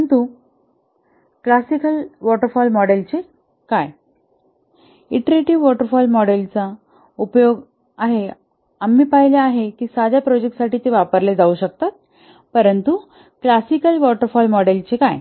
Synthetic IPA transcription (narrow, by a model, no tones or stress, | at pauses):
əənt̪u | klasikəlʋɔʈəɾfɔlmɔɽelt͡se | kaj | iʈɾeʈiʋʋɔʈəɾfɔlmɔɽelt͡sa | upjoɡ | aɦe | amːiːpaɦileaɦekiːsad͡ʑʱjapɾɔd͡ʑek̚ʈsaʈiːt̪eʋapəɾled͡zauɕək̚t̪at̪̚ | pəɾənt̪u | klasikəlʋɔʈəɾfɔlmɔɽelt͡ɕekaj